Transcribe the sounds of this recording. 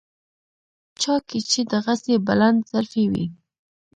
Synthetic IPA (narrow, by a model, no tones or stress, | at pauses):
t͡ʃɑket͡ʃed̪əɣasebaland̪z̥aɾfewḭ